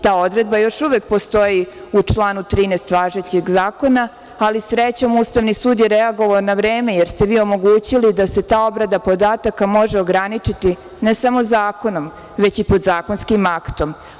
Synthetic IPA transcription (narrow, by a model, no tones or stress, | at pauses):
t̪aːo̞d̪ɾe̞d̪̚bajo̞ʃuʋek̚po̞st̪o̞jiut͡ʂlˠaːnut̪ɾiːnest̪ʋaːʒet͡ɕeɡzaːko̞naː | lisɾet͡ɕomuːst̪aʋnisuːd̪jeɾeaɡo̞ʋaonaʋɾeːme̞jeɾst̪e̞ʋiːo̞mo̞ɡuːt͡ɕilid̪ase̞t̪aːo̞bɾad̪apo̞d̪aːt̪akamo̞ʒeo̞ɡɾanit͡ʂit̪i | nesamo̞zaːko̞no̞m | ʋe̞t͡ɕipo̞d̪zaːko̞nskimakt̪o̞m